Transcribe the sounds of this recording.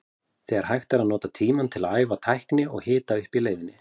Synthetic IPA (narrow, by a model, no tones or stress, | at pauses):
θɛɣaɾ̥hajxt̪aɾaðnɔːt̪at̪ʰiːmant̪ʰɪlaaːjvat̪ʰajhknɪɔɣhɪːt̪aʏhpileːjðɪnːɪ